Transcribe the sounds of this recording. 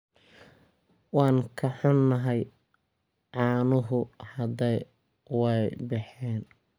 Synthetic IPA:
wɑːŋkʰɐħɔnːɐɦɛj | ʕɑːnʊɦʊhɐd̪ɛj | wɛjbɑħɛːn

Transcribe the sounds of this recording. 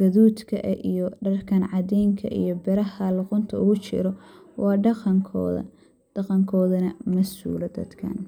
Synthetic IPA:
ɡ̥ɐðuːd̪kʰɐʔʔijɔɖɐrkʰɐnʕɑd̪ɛːŋkʰɐ̰ʔḭjɔbɛɾɐhɐlʊqʊnt̪ʰɐʊɣʊt͡ʃɪ̰ɾɔ | wʔɑːɖɑqɐŋkʰɔ̰ːðɐ̰ | d̪̥ɐqɐŋkʰɔːðɐnɐmɐsṵːlɐd̪ɐ̰d̪kʰɐ̰n

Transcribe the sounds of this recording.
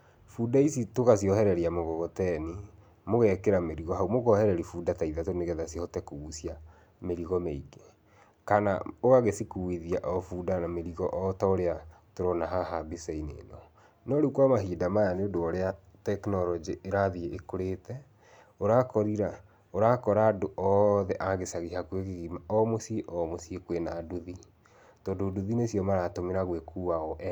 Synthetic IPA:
fudaisitokas̬iɔhɛɾɛɾiamoɣɔɣɔtɛni | moɣɛkeɾameɾiɣɔɦaumoɣɔhɛɾɛɾifuːdataiðatoneɣɛðasihɔtɛkousia | meɾiɣɔmeiɡe | kana̰oɣaɣesikuwiðiaʔɔfuːdanameɾiɣɔʔɔtaoɾeatoɾɔnaɦahabisainḛnɔ | nɔɾukwamaɦidamajaneodoɔɾea | tɛknɔɾɔd͡ʒiʔeɾaðieʔekoɾetɛ | oɾakɔɾiɾa | oɾakɔɾaːdoʔɔðɛʔaɣesaɣiɦakwekeɣimaɔmosieʔɔmosiekwenadoði | tɔːndoːduðinesiɔmaɾatomeɾaɣwekʰuːaɔʔɛ

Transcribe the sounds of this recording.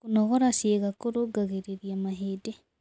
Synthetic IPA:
kunɔɣɔɾasjeɣakoɾoɡaɣeɾeɾjamaɦede

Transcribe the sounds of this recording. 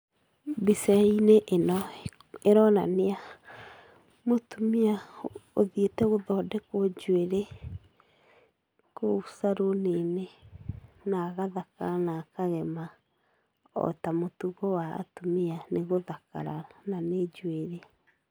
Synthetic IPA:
bisɛineʔenɔ | eɾɔna̰nea | motumiaoðietɛɣoðɔdɛkod͡ʒweɾe | kousaɾonene | naɣaðaka̰ɾanakaɣɛma | ɔ̰tamotuɣɔwa̰ːtumianeɣoðaka̰ɾananed͡ʒweɾe

